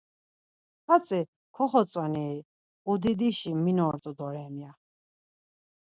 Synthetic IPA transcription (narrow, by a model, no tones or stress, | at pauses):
χat͡sʼi | kʰɔχɔt͡sʼwaniː | ud̪id̪iʃiminɔːɾt̪ʼud̪ɔɾɛmja